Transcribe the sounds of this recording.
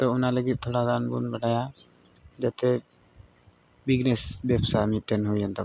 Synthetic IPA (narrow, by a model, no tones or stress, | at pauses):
t̪ɔunaləɡit̪̚ˀt̪ʰoɽaɡanbunbaʈaja | d͡ʒat̪ɛ | biɡnɛsbɛpsamit̪̚ʈɛnɦujant̪ɔ